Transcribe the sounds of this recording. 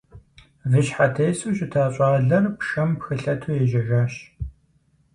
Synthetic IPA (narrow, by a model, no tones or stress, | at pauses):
vɨɕħatʰejsuːɕʼɪtʰaːɕʼɑːɮɐrpʂɐmpxɨɬɐtʰuːjɛʒɐʒaːɕ